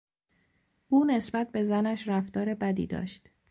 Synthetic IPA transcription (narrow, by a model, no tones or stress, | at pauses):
ʔuːne̞sbæt̪̚be̞zænæʃɾæft̪ɒːɾe̞bæd̪ḭːd̪ɒ̰ːʃt̪